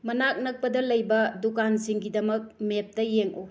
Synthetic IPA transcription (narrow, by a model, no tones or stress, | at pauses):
mɐnak̚nɐk̚pɐdɐlɐjbɐdukanziŋɡidɐmɐk̚mep̚tɐjeŋʔu